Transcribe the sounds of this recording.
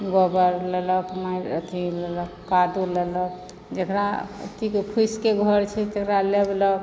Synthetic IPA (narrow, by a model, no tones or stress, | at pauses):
ɡɔbəɾlelɔkmaɾt̪ʰilelɔkkad̪ulelɔk | d͡ʒekɾa̰t̪ikkʰuskeɡʱɔɾt͡ʃʰɛt̪ekɾalebelɔ